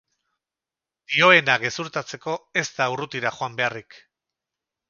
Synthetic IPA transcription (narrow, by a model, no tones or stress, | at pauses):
d̪̥io̞e̞naɣe̞suɾt̪at͡se̞ko̞e̞st̪aurut̪iɾaxoambe̞arik